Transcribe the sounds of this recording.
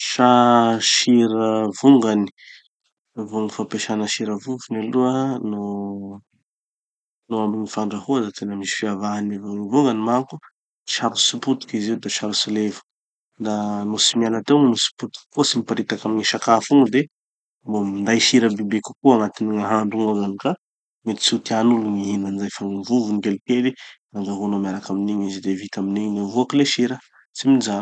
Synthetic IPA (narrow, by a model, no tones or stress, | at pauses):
ʃaʃiɾəvuŋɡani̥ | vuŋɡfapeʃanəʃiɾəvuvunaluəno | noaminifaɳɖ͡ʐahuazat̪ʰenəmisi̥fiavaanevanuvuŋɡanimaku | t͡ʃaɾusiput̪u̥kiziwd̪et͡ʃaɾusilevu̥ | d̪anosimianat̪ewmumisi̥put̪u̥ki̥kut͡simipaɾit̪akaminiʃakafuŋɡud̪e | momind̪ajʃiɾəbibeku̥kuaŋat̪iniŋaɦaɳɖ͡ʐuŋaɡanika | met̪i̥t͡sit̪ianuluniinanizajfaŋivuvunikelikeli | aŋɡaɦonomiaɾakaminiɲizid̪evit̪aminiɲinavuakileʃiɾə | t͡siminizan